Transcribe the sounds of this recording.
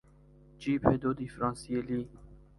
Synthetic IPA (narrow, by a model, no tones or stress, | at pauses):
d͡ʒiːpʰhed̪od̪ifɾɑ̃ːnsieliː